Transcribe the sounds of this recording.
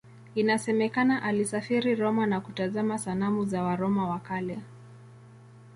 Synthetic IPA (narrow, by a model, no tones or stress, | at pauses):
inasɛmɛkanaʔalisafiɾiɾɔmanakutazamasanamuzawaɾɔmawakalɛ